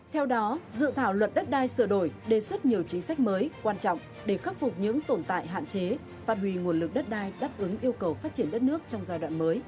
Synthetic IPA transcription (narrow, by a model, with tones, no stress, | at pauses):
t̪ʰɛ˧wɗɔ˨˦zɨ̰˧˨t̪ʰaː˧˩wlwə˨˩t̚ɗə˦˥t̚ɗaː˧jsɨ˧˩ɗo˧˩jɗe˨˩swə˦˥t̚ɲi˨˩əwt͡ɕï˨˦ŋ̟sa˦˥k̚məː˨˦jkwaː˧nt͡ɕɔ̰˧˨wŋ͡m | ɗe˧˩xə˦˥p̚fʊ˨˩k͡p̚ɲɨ̰˧˥ŋt̪o˧˩nt̪a̰ː˧˨jɦa̰ː˧˨nt͡ɕe˨˦ | faː˦˥t̚hwi˧˩ŋu˨˩ənlɨ˨˩k̚ɗə˦˥t̚ɗaː˧jɗaː˦˥p̚ʔɨ˨˦ŋʔi˧əwkə˨˩wfaː˦˥t̚t͡ɕi˧˩ənɗə˦˥t̚nɨ˦˥ək̚t͡ɕɔ˧wŋ͡mzaː˧jɗwa̰ː˧˨nməː˨˦j